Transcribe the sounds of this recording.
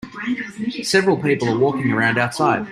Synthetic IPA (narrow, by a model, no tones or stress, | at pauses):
sɛvɹl̩ˠpʰiˑpəl̩ˠəwɔˑkɪ̃ŋə˞ãʊ̃ndaʊtsaɪd̥̚